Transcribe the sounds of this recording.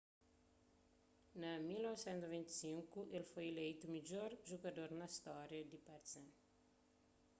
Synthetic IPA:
nɐmilnɔvisɛ̃nt̪zvĩnt̪i̥sĩŋkuʔelfojelejt̪umid͡ʒoɾʒoɡɐd̪oɾnɐst̪ɔɾjɐd̪ipɐɾsɛ̃

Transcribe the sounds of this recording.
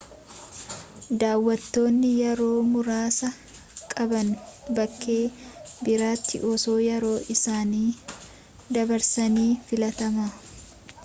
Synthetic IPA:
d̪aːwːɐt̪ːo̞ːnːɪjɛɾo̞ːmʊɾaːsɐ | kʼɐbɐnbɐkːe̞ːbɪɾaːt̪ːɪ̰ʔɔso̞ːjɛɾo̞ːʔɪsaːniː | d̪ɐbɐɾsɐniːfɪlɐt̪ɐmaː

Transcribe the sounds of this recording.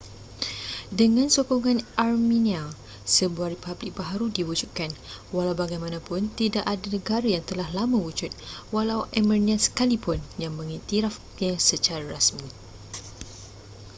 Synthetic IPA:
dəŋãnsokɔŋãnarmĩnia | səbuaripablɪk̚baɦaɾudiwud͡ʒuʔkanwalawbaɡajmãnãpʊnt̪idaʔadanə̃ɡaɾajaŋt̪əlahlamawud͡ʒʊt̪̚walawɛmərniansə̥kalipʊnjaŋmə̃ŋit̪iɾaf | ɲãsət͡ʃaɾaɾasmĩ

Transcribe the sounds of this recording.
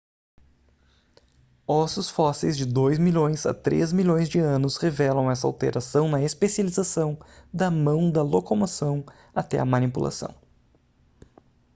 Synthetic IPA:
ɔsjʊsfɔsejzd͡ʒɪd̪ojzmiʎõj̃zɐ̰t̪ɾḛzmiʎõj̃zd͡ʒɪɐ̃nʊshevɛlɐ̃w̃ɛsɐa̰wt̪ḛɾasɐ̃w̃nɐespesializasɐ̃w̃d̪ɐmɐ̃w̃d̪ɐlokomosɐ̃w̃ | at̪ɛ̰ɐmɐnipulʔa̰sɐ̰̃w̃

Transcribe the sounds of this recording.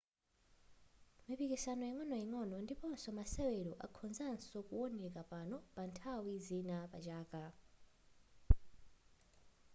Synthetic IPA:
mipikisanɔjiŋɔnɔjiŋɔnɔndipɔnsɔmasɛwɛɾɔʔa̰kʰɔnzansɔkuɔnɛkapanɔpantʰawizinapat͡ʃaːka

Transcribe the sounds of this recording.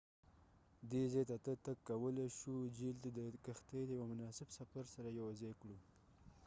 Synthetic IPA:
d̪ezejt̪at̪ət̪akkːawəleʃud͡ʒilt̪ad̪əkaxt̪ejd̪əjawamʊnɑsɪbsafaɾsaɾajawzejkɽu

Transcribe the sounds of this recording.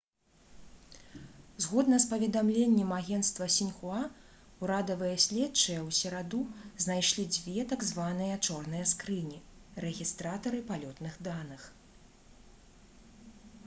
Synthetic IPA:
zɣɔd̪nɐspɐvʲɛd̪amlʲenʲːɛmaɣʲɛnst̪vɐsʲinʲxua | uɾad̪ɐvɨjɐsʲlʲɛt̪t͡ʂɨjɐwsʲɛɾad̪uznajʂlʲid͡zʲvʲɛt̪aɡzvanɨjɐt͡ʂɔrnɨjɐskɾɨnʲirɛɣʲist̪ɾat̪ɐɾɨpalʲɔt̪nɨɣd̪anɨx

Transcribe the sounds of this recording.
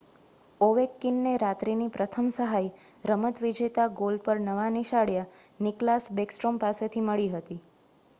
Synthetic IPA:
oʋekːinːeɾat̪ɾinipɾət̪ʰəmsəɦaj | ɾəmət̪ʋid͡ʒet̪aɡolɖ̚pəɾnəʋaniʃaɽja | nɪklasbeksʈɾompaset̪ʰiməɭiɦət̪i

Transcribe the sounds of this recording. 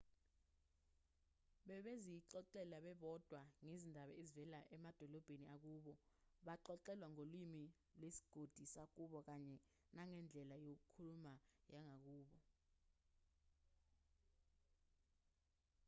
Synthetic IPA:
ɓɛɓezijiǃɔǃɛlaɓɛɓɔd̥ʱwaŋezindʱaɓaezivɛlaʔɛmad̥ʱɔlɔb̥ʱeniak̬uːɓɔɓaǃɔǃɛlwaŋolwimi | lwesi̥ɡ̥ʱod̥ʱisak̬uɓɔk̬aɲɛ | naŋɛnd͡ɮʱɛlajok̬ukʰulumajaŋʱak̬uːɓɔ

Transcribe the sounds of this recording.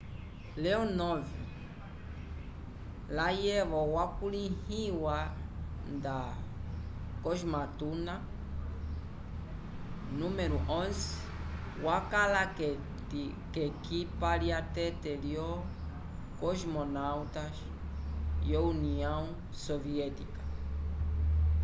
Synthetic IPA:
leonovi | lajevowakulĩhiwa | d̪a | koʒmat̪una | nũmeɾuʔõnz | wakalake | t̪i | kekipaɾjat̪et̪eɾjo | kosmonawt̪as | jouniõŋ | soviet̪ikḁ

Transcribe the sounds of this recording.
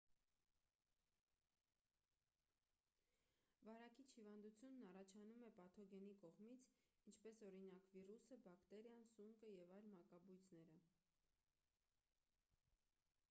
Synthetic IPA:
vɑɾɑkit͡ʃʰhivɑnd̪ut͡sʰjunːɑrɑt͡ʃʰɑnumɛpɑt̪ʰɔɡɛnikɔʁmit͡sʰint͡ʃʰpɛsɔɾinɑkvirusəbɑkt̪ɛɾjɑnsuŋkəjɛvɑjlmɑkɑbujt͡sʰnɛɾə

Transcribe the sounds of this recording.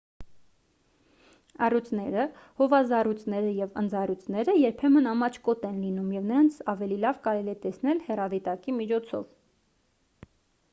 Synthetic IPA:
ɑrut͡sʰnɛɾəhɔvɑzɑrut͡snɛɾəjɛvə̰nd͡zɑrut͡sʰnɛɾəjɛɾpʰɛmənɑmɑt͡ʃʰkɔt̪ɛnlinumjɛvnəɾɑnt͡sʰɑvɛlilɑvkɑɾɛliɛt̪ɛsnɛlhɛrɑvit̪ɑkimit͡ʃʰɔt͡sʰɔ̰v

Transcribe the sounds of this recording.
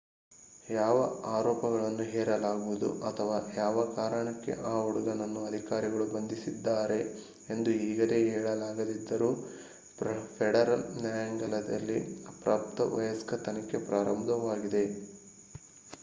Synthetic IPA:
jaːʋɐaːɾɔːpɐɡɐɭɐnːuɦɛːɾɐlaːɡuʋud̪ṵʔɐt̪ʰɐʋaːjaːʋɐkaːɾɐɳɐkːe̞̰ʔaːuɽuɡɐnɐnːuɐd̪ʱikaːɾiɡɐɭubɐnd̪isid̪ːaːɾe̞ | end̪uiːɡɐɾe̞ɛːɭɐlaːɡɐd̪id̪ːɐɾuː | pɾɐpʰɛɽɐɾɐlnjaːjɐŋɡɐlɐd̪ɐ̰lːipɾa̰ːp̚t̪ɐʋɐ̰jɐskɐt̪ɐnɐkːe̞pɾʔaːɾɐmd̪ɐʋaːɡid̪e̞

